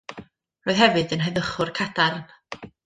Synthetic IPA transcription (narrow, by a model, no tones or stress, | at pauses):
roːjðhɛvɨðənɦəðəχʊrkʰadarn